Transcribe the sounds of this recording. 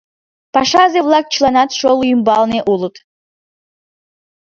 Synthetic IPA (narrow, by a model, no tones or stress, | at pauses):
pɑʃɑzevlˠɑk̚t͡ʃʰilˠɑnɑt̪ʃolˠujimbɑlˠneʔulˠɤt̪